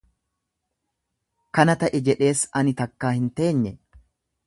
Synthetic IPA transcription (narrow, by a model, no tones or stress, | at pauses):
kɐnɐt̪ɐʔɪd͡ʒɛᶑe̞ːsɐnɪt̪ɐkːaːhɪnt̪e̞ːɲːɛ